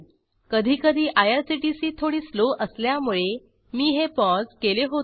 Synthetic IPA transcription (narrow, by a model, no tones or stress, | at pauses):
kəd̪ʱiːkəd̪ʱiːʔajəɾsiʈisiːt̪ʰoɽiːsloʔəsljamuɭe | miːɦepɔskeleɦot